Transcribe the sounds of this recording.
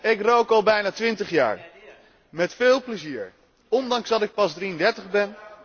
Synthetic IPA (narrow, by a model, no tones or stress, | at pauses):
ɪkrowkɑlˠbɛjnaːtʋɪntəχja̰ːɹ | mɛtfɪːlˠpləziːɹ | ɔndɑŋzdɑtɪk̚pɑzdriəndɛɹtəχbɛn